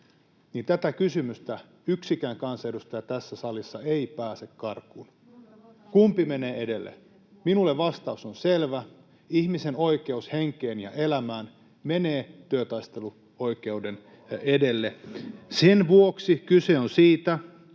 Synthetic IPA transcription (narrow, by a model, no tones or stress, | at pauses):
niːnt̪æt̪ækysymyst̪æ | yksikæːŋkɑnsɑedust̪ɑjɑt̪æsːæsɑlisːɑeipæːsekkɑrkun | kumpimeneːede̞lːḛ | minulːeʋʋɑst̪ɑusonselʋæ | ihmisenoike̞usheŋkeːnjɑ̰ʔelæmæːn | meneːt̪yøt̪ɑist̪e̞lu | o̞ike̞uden | ede̞lːesenʋuoksikyse̞onsiːt̪æ